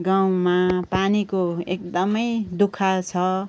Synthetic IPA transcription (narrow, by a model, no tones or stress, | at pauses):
ɡaw̃mapanikoek̚d̪ʌmʌjd̪ukʰat͡sʰʌ